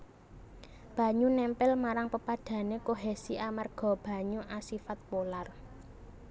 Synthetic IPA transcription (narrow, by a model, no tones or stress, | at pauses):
b̥ä̤ɲunɛmpɪlmaɾaŋpəpad̪̥ä̤nekoɦesiʔamarɡ̥ɔ̤b̥a̤ɲuʔasifat̪̚polar